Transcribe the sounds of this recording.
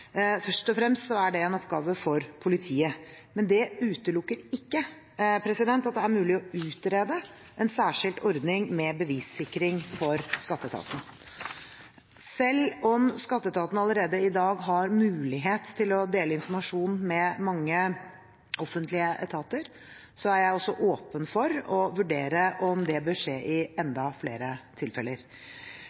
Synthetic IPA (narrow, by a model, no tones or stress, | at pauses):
fœʂʈɔfɾɛmst̪sɔæɖɛɛnɔpɡɑːʋəfɔɾpʰʊlɪt̪ʰiːə | mɛnd̪ɛʉːt̪əlʊkːəɾɪkːə | pʰɾɛsɪd̪ɛnt̪ɑt̪̚d̪ɛæɾmʉːlɪɔʉːt̪ɾeːd̪ə | ʔɛnsæːʂɪlt̪ɔɾd̪nɪŋmɛbəʋiːsɪkːɾɪŋfɔɾskɑt̪ːət̪ʰɑ̰ːt̪nə | sɛlːɔmskɑt̪ːət̪ʰɑːt̪nɑləɾeːd̪əɪd̪ɑːɡɦɑɾmʉːlɪɦeːt̪ʰːɪlɔd̪eːləɪnfɔɾmɑʂuːnmɛmɑŋːə | ɔfənt̪lɪəʔɛt̪ʰɑːt̪əɾ | sɔæɾjæɪɔsːɔʔoːpənfɔɾɔʋʉɖeːɾəʔɔmd̪ɛbœʂeːʔɪɛnd̪ɑflḛːɾət̪ʰɪlfɛləɾ